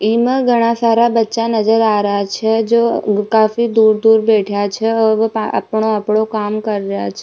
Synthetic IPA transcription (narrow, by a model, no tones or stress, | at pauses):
iməɡʱəɽ̃ãsaɾabətːʃanəd͡ʒəɾaɾat͡ʃʰed͡ʒokafid̪uɾd̪uɾbeʈʰjat͡ʃʰeəʋa̰pɳoapɽokamkəɾɾjat͡ʃʰe